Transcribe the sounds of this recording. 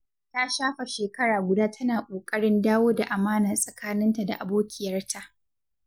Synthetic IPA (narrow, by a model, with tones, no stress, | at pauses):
ta˦ʃaː˦ɸa˨ʃeː˨kɐ˦ɽaː˨ɡʷʊ˨daː˦tʰɐ˦naː˨kʷʼoː˨kʼɐ˦ɽɪ˦ndaː˦woː˦da˨ʔa˨maː˦na˨sʼɐ˨kaː˦nɪ˦nta˨da̰˨ʔa˨boː˦kʲʰɪ˦jɐ˦rtʰa˦ʔ